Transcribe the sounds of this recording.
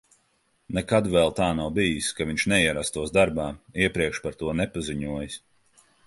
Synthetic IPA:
nɛkad̪vɛlˠt̪aːnawbijiskaviɲʲt͡ʃʃnɛiɛɾast̪uɔsd̪aɾbaːiɛpɾiɛkʃpaɾt̪uɔnɛpaziɲuɔjis

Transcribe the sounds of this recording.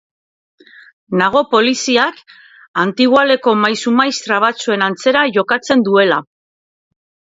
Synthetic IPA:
naɣ̞o̞po̞lisiak | ant̪iɣwale̞ko̞majsumajst̪ɾaβ̞at͡sue̞nant͡se̞ɾaʝo̞kat͡se̞nd̪ue̞la

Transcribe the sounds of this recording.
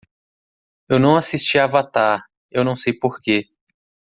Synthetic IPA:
ewnɐ̃w̃asist͡ʃiavat̪aɾ | ewnɐ̃w̃sejpoɾke

